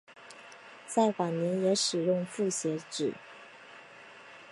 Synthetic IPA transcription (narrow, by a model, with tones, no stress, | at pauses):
t͡sa˥˩ɪxa˨˩njɛ˧˥njɛ˧˥ʂɻ̩˨˩jʊ˥˧ŋfu˥˩ɕjɛ˧˥ʈ͡ʂɻ̩˨˩˦